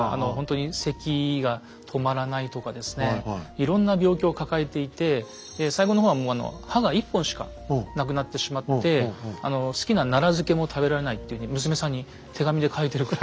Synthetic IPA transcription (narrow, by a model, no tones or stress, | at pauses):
a̰no̞ɦõ̞nt̪o̞ɲ̟ise̞kʲiɡa | t̪ʰo̞maɾanait̪o̞kad̪e̞sɨ̥ne̞iɾõ̞nːabʲjo̞ːkʲo̞ːkakae̞t̪e̞it̪e̞ | d̪̥e̞saiɡo̞no̞ɦoːβamo̞ːano̰haɡaipːõɰ̃ɕi̥ka̰ | nak̬ɯ̟nat̪ːe̞ɕimat̪ːe̞a̰no̞sɨ̥kʲinanaɾazɨke̞mo̞t̪ʰabe̞ɾaɾe̞nait̪ːeɯ̟ɲ̟imɯs̬ɨme̞sãɲ̟ːi | t̪ʰe̞ɡamʲid̪e̞kʰaet̪e̞ɾɯ̟kɯɾa